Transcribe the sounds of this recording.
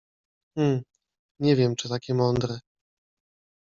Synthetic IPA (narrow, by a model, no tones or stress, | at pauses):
m̩ | ɲɛvʲjɛmt͡ʂɨt̪akʲɛmɔnd̪ɾɛ